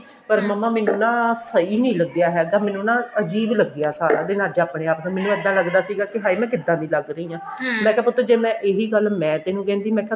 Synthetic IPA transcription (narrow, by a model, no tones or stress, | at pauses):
pəɾməmːãːmɛ̃ːnũːnãːsəiːnəĩːləɡd̪ejaːɦɛːɡaːmɛ̃ːnũːnãːəd͡ʒiːbləɡejaːsaːɾa̰ːd̪eːnaːd͡ʒeaːpɽeːaːpnãːmɛːnũːɛd̪ːãːləɡd̪aːsiːɡaːkɪɦaːiːmɛ̃ːkɪd̪ːãːnĩːləɡɾəĩːãːmɛ̃ːkɛːpʊt̪ːoːd͡ʒeːmɛ̃ːʔeːɦiːɡəlmɛ̃ːt̪eːnũːkɛ̃ːnd̪iːmɛ̃ːkɛ